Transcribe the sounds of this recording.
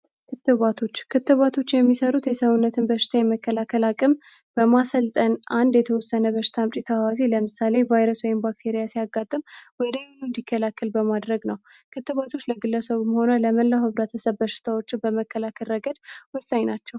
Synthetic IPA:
kʰɨt̪ːɨβat̪ʰo̞t͡ʃːkʰɨt̪ːɨβat̪ʰo̞t͡ʃːjɛmːisəɾut̪jɛsəβunːət̪ʰɨnbəʃɪ̥t̪ʰajɛməkːəlakʰːəlakʼəm | b̥əmasəlt̪ʼənʔand̪jɛt̪ʰəwɔsːənəbəʃɪ̥t̪ʰamt͡ʃʼit̪ʰəwaziləmɨsale̞vajɾəswɔjɪmbak̚t̪ʰeɾijasijaɡat̪ʼːɨmwɔd̪əjnund̪ikʰːəlakːəlbəmad̪ɾəɡnəw | kʰɨt̪ːɨβat̪ʰo̞t͡ʃːləɡɨlːəsəβuməho̞nələməlːahɨβɾət̪ʰəsəβbəʃɪ̥t̪ʰawot͡ʃːɪnbəməkʰːəlakʰəɾəɡəd̪wɔsːaɲnat͡ʃːɛw

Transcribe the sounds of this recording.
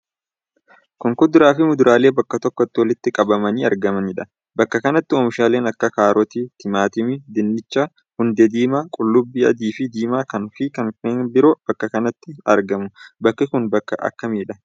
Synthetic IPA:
kʊŋkʊd̪ʊɾaːfɪmʊd̪ʊɾʔaːle̞ːbɐkːɐt̪ɔkːɔɐt̪ːɪwɐlɪt̪ːɪkʼɐbɐmɐniːɐ̰ɾɡɐmɐnɪᶑɐ | bɐkːɐkɐnɐt̪ːɪɔːmɪʃaːle̞ːnɐkːɐkaːɾɔt̪iːt̪ʰɪmaːt̪ɪmɪd̪ɪnːɪt͡ʃːɐ | hʊnd̪ed̪iːmaːkʼʊlːʊbːiːɐ̰d̪iːfɪd̪iːmaːkɐnfɪkɐnːbɪɾoːb̥ɐkːɐkɐnɐt̪ːɪɐ̰ɾɡɐmʊbɐkːɪkʊnbɐkːɐ̰ʔɐ̰kːɐmiːᶑɐ

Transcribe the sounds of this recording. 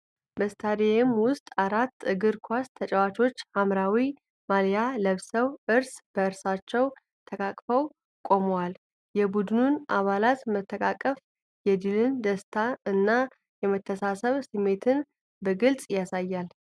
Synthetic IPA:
bəst̪ʰad̪ejɪmwʊst̪ʼaɾat̪ːɨɡɨɾkʰʷast̪ʰət͡ʃʼɛwat͡ʃʰʼo̞t͡ʃːhamɾawi | maljaləβsəwʔɨɾsb̥əɨɾsat͡ʃːɛw | t̪ʰəkʼakʼfəw | kʼo̞məwal | jɛbud̪ɨnunʔaβalat̪mət̪ʰːəkʼakʼːəf | jɛd̪ɨlɨnd̪əst̪ʰaɨnːa | jɛmət̪ʰːəsasəβsɨmːe̞t̪ʰɨn | bəɡɨlt͡sʼjasajːal

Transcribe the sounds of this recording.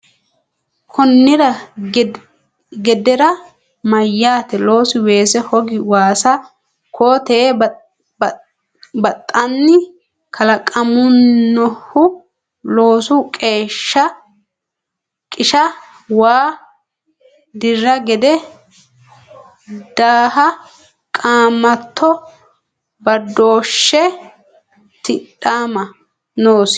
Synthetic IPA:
kʰɔnːɪɾɐ | ɡɛd̪ɛɾɐ | mɐjːaːt̪ɛlo̞ːsɪwe̞ːsɛhɔɡɪwaːsɐ | kʰoːt̪eː | bɐt̪ʼːɐnːɪ | kʰɐlɐkʼɐmʊːɔhʊ | lo̞ːsʊkʼe̞ːʃːɐ | kʼɪʃɐ | waː | d̪ɪrːɐɡɛd̪ɛ | d̪̥aːhɐ | kʼaːmːɐt̪ʰːɔ | bɐd̪ːoːʃːɛ | t̪ɪᶑaːmɐ | noːs

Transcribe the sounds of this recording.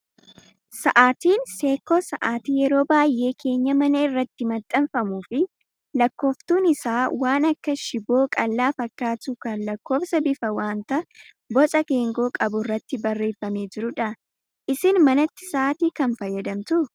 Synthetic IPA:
sɐʔaːt̪iːnse̞ːkːoːsɐʔaːt̪iːjɛɾo̞ːbaːjʔe̞ːkʰe̞ːɲːɐmɐnɐɪrːɐt̪ːɪmɐt̪ʼːɐnfɐmuːfɪ | lɐkːo̞ːft̪uːnɪsaːwaːnɐkːɐʃɪbo̞ːkʼɐlːaːfɐkːaːt̪ukɐnlɐkːo̞ːfsɐbɪfɐwaːnt̪ɐ | bɔt͡sʼɐke̞ːŋɡo̞ːkʼɐbʊɪrːɐt̪ːɪbɐrːe̞ːfːɐme̞ːd͡ʒɪɾʊᶑɐ | ʔɪsɪnmɐnɐt̪ːɪ̥saːt̪iːkɐnfɐjːɐd̪ɐmt̪ʊ

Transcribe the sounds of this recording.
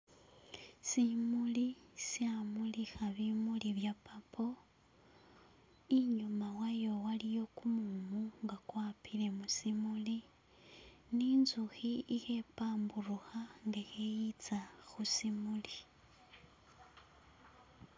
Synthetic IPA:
simulisiamulixaβimuliβjapʰapʰo̞ | iɲumawajo̞walijo̞kumumuŋɡakwaːpile̞musimuli | ninzuxiixepaːmburuxaŋɡexejit͡saxusimuli

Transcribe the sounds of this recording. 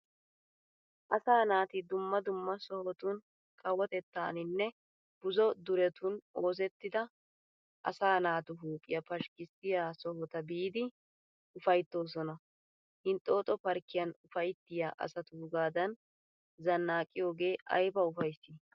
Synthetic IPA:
ʔɐsaːnaːt̪ɪd̪ʊmːɐd̪ʊmːɐsɔhɔt̪ʊn | kʼɐwɔt̪ɛt̪ːaːnɪnːɛ | b̥ʊzɔd̪ʊɾɛt̪ʊno̞ːzɛt̪ːɪd̪ɐ | ʔɐ̰saːnaːt̪ʊɦuːpʼːɪ̰jɐpɐʃkɪst̪ɪjaːsɔhɔt̪ɐbiːd̪ɪ | ʊfɐjt̪ːo̞ːs̬ɔnɐ | hɪnt̪ʼːo̞ːt̪ʼɔpɐɾkːɪjɐnʊfɐjt̪ːɪja̰ːʔɐ̰sɐt̪ʊɡaːd̪ɐn | zɐnːaːkʼːɪjo̞ːɡe̞ːʔɐ̰jbɐʊfɐjsːɪ

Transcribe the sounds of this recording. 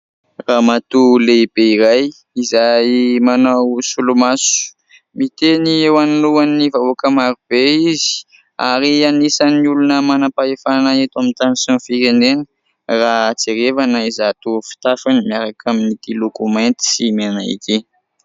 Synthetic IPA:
ramat̪ulebeiɾaj | izajmanawsulumasu̥ | mit̪eniewanluanːivauakəmaɾub̥eizi̥ | aɾianisaniulunəmanapaefanaet̪amint̪anisinfiɾenenə̥ | rat͡seɾevanəizat̪ufi̥t̪afanimiaɾakʰaminit̪ilokumant̪i̥simenaḭki

